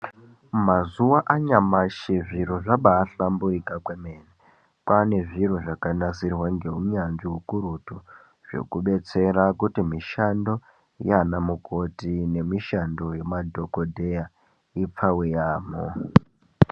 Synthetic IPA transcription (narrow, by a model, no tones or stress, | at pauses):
mazuwaʔaɲamaʃiʐiroʐaɓaːɬambuikakwemene | pane̞ʐiroʐakanasirwaŋɡe̞ɦuɲand͡ʒiɦukuɾutu | ʐ̥o̞̰kuɓe̞t͡se̞ɾakutimiʃando̞ | janamukʰo̞tine̞miʃando̞jemadʱo̞kodʱeja | ip͡fawejaːmo̰